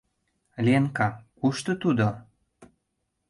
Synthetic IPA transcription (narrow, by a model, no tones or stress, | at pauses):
lʲieŋkɑkuʃt̪ŏt̪ud̪o